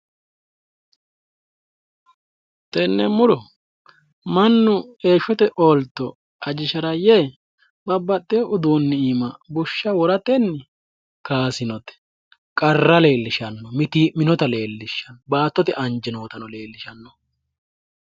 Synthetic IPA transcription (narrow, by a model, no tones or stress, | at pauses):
t̪ʼɛnːɛmʊɾɔ | mɐnːʊe̞ːʃɔt̪ɛʔoːlt̪ːɔ | ɐd͡ʒɪʃɐɾɐje | bɐbːɐt̪ːeʔʊd̪uːnːɪiːmɐbʊʃːɐwɔɾɐt̪ɛnːɪ | kaːsɪnɔt̪ɛ̥ | kʼɐrːɐle̞ːlːɪʃɐnːɔmɪt̪iːmɪnɔt̪ɐle̞ːlːɪʃːɐnːɔbaːt̪ːɔt̪ɛʔɐnd͡ʒɛnoːt̪ɐnɔle̞ːlːɪʃɐnːɔ